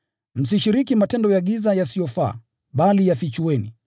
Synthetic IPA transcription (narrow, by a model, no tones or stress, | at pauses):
m̩siʃiɾikimatɛndɔjaɠizajasijɔfa̰ː | ɓalijafit͡ʃuwɛni